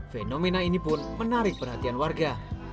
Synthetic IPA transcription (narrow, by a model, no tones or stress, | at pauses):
fenomenainipʊnmənaɾɪk̚pərɦat̪ianwarɡa